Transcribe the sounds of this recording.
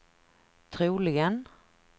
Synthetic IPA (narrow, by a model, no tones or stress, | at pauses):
t̪ʰɾuːlɪɡən